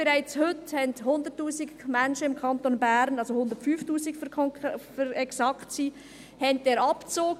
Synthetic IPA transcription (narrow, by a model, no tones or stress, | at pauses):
b̥eɾæɪt͡shʏthɛnthʊnd̪ətːuːsiɡmænʃəɪmkʰɑntonbæɾnɑlsohʊnd̪ətfyːftuːsikfkʰɔfəɾɛksɑktsiː | hɛntdeːɾɑpt͡soːk